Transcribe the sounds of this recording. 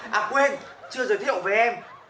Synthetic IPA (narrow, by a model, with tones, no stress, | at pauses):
ʔaː˨˩kwe˧nt͡ɕɨ˧əzəː˨˩jt̪ʰi˧˨ə̰˨wve˨˩ʔɛ˧m